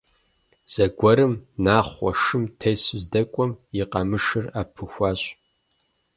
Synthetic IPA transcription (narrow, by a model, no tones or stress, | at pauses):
z̥ɐɡʷɔɾɨmnaːχʷɐ̰ʂɨmtʰejszdɐkʷʼɔmjiqʼɐmɨʂɨrapʰɨxʷaːɕʼ